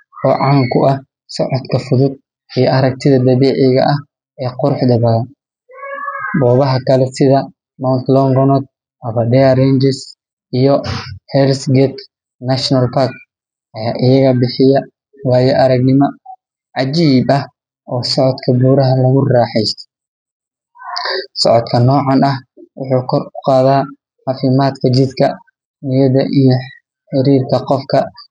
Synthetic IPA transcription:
ɔːʕɑŋkʰʊɐh | sɔʕɔd̪kʰɐfʊðʊd̪̚ | ijɔʔɐɾɐk̚t̪ʰɪðɐd̪ɐβɛːʕɪɣɐʔɐh | ɛːqʊɾʊħd̪ɐβɐðɐ | bɔːβɐɦɐkʰɐlɛsɪðɐ | mawnt̪lɔŋɡɔnɔd̪̚ | ʔɐβɐɖɛɐɾɛnd͡ʒɛs | ʔijɔhɛlsɡɛt̪ | nɐʃnɐlpʰak | ʔɐjaːʔɪjɐɣɐbɪħɪjɐ | wɑːjɔʔɐɾɐɡnɪmɔ | ʕɑt͡ʃiːbɐh | ʔɔːsɔʕɔd̪kʰɐbuːɾɐɦɐlɐɣʊraːħɛjst̪ʰɛ̥ | sɔʕɔd̪kʰɐnɔːʕɑnɐhwʊħuːkʰɔrkʊ̥qɑːðaː | ʕɑfɪmaːd̪kʰɐt͡ʃɪd̪kʰɐ | nɪjɐðɐʔijɔ | ħɪɾiːrkʰɐqɔfkʰɐ

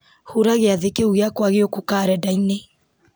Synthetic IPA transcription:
huɾaɣeaðekeuɣeakwaɣeokukaɾɛdaine

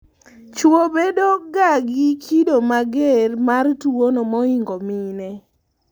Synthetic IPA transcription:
t͡ʃwobedoɡaɡikʰidomaɡermartuwonɔmɔiŋɡominɛ

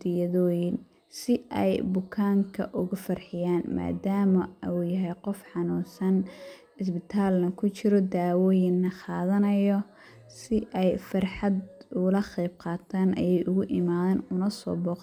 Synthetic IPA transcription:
d̪ɪjɐðɔːjɪn | sɪʔɛjbʊkʰaːŋkʰɐ̰ʔʊɣʊfɐrħɪjaːnma̰ːd̪aːmɐuːjɐɦɛjqɔfħɑnuːnsɐn | ɪsbɪt̪ʰaːlnɐkʰʊt͡ʃɪɾɔd̪aːwɔːjɪnːɐχɑːðɐnɐjɔ | sɪʔɛjfɐrħɑd̪ʊlɐqɛjb̚qɑːt̪ʰaːnʔɐjɛjʔʊɣʊʔɪmaːðaːnʊnɐsɔ̰ːbɔːq

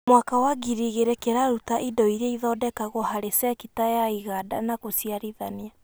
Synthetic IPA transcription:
mwakawaɡiɾiɣeɾɛkeɾaɾutaʔidɔiɾeiðɔdɛkaɣɔhaɾesɛkitajaiɣada̰nakosiaɾiðania

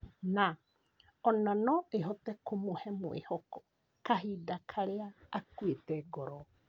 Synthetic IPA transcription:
na | ɔnanɔeɦɔtɛkomohɛmwḛhɔkɔ | kaɦiːdakʰaɾeaːkuetɛɡɔɾɔ

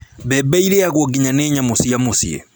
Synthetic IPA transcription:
bɛbaiɾɛjaɣwɔɡiɲanɛɲamosijamosḭɛ̰

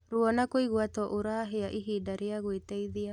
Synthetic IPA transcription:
ɾuɔnakoiɣwatɔʔoɾaːɦeaʔiɦiːdaɾeaɣwetɛiðia

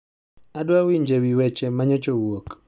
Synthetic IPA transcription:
adwawiɲd͡ʒewiwɛt͡ʃemaɲɔt͡ʃowok

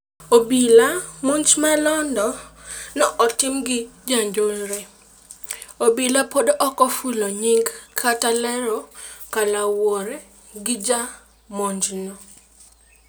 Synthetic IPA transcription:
obilamond͡ʒmalɔndɔnɔʔɔtɪmɡɪd͡ʒaɲd͡ʒolɾɛ | obilapodoʔɔkɔfuloɲiŋɡkʰatalɛɾɔkalawoɾe | ɡɪd͡ʒa | moɲd͡ʒnɔ

